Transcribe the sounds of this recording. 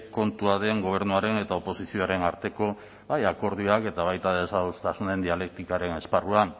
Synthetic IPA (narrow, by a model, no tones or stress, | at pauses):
ko̞nt̪uaðe̞ŋɡo̞β̞e̞ɾnuaɾe̞ne̞t̪ao̞po̞sisio̞aɾe̞naɾt̪e̞ko̞ | βajako̞ɾðiake̞t̪aβ̞ajt̪aðesaðust̪asune̞nd̪iale̞k̚t̪ikaɾe̞ne̞sparua